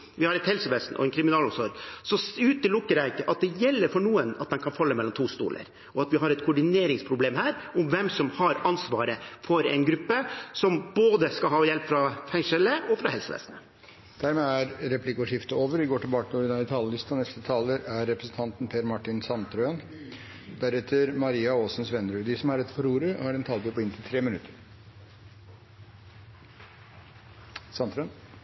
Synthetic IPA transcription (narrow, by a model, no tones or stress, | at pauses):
ʋɪhɑɾɛt̪hɛlsəʋeːsn̩ʔɔ̰ɛnkʰɾɪmɪnɑːlɔmsɔɾɡsɔʉːt̪əlʊkːəɾækːəʔɑt̪̚d̪ɛjɛlːəɾfɔɳuːənɑt̪̚d̪ɛnkʰɑnfɑlːəmɛlːɔmt̪ʰuːst̪ṵːlʔə̰ɾ | ʔɔɑt̪ʋɪɦɑɾɛt̪kʰʊɖɪneːɾɪŋspʰɾʊbleːmhæːɾʊmʋɛmsɔmhɑɾɑnsʋɑːɾəfɔɾɛ̰ɪnɡɾʉpːəsɔmboːd̪əskɑlɦɑːɔjɛlpfɾɑfɛŋʂɛləɔfɾɑhɛlsəʋḛːsnə | d̪̥æɾmeːæɾɾɛpʰlɪkːəɔʂɪft̪əoːʋəɾʋɪɡoːʈɪlbɑːkənɔɾɪnɑɪt̪ʰɑːləlɪst̪ɑnɛst̪ət̪ʰɑːləɾʔæɾːɛpɾəsn̩t̪ʰɑnt̪n̩pʰeːɾmɑʈːɪnsɑnt̪ɾøn | d̪æɾɛt̪ʰːəɾmɑɾiːɑoːsn̩sʋɛnɾʉːd̪ɪsɔmæɾɛd̪ːfɔɾuːɾəhɑɖɛnt̪ʰɑlt̪ɪpɔɪnt̪ʰɪlt̪ʰɾeːmɪnʉt̪ʰəɾ | sɑnt̪ɾœøn